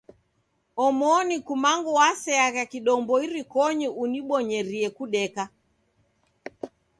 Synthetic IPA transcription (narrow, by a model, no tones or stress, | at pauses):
ɔmɔnikumaŋɡuwasɛaɣakiɗɔmbɔiɾikɔɲiʔuniɓɔɲɛɾiɛkuɗɛka